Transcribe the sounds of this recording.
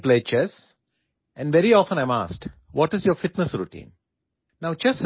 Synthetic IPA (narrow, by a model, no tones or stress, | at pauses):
pleːt͡ʃɛs | ʔɛ̃nɖʋeɾiɔːfə̃nãɪ̃ma̰ːsʈʋɔːʈɪzjoːɾfɪʈnəsɾuʈḭ̃ːn | naʊt͡ʃɛs